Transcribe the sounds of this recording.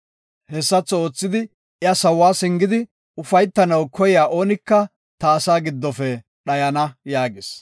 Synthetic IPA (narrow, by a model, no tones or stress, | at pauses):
hɛsːɐt͡sːɔo̞ːt͡sːɪd̪ɪ | ʔɪɐsɐwːaːsɪŋɡɪd̪ɪ | ʊfɐjt̪ːɐnɐwkɔjjaːʔo̞ːnɪkːɐ | t̪ɐːsaːɡɪd̪ːɔfɛ | ɗɐjɐnɐjaːɡɪs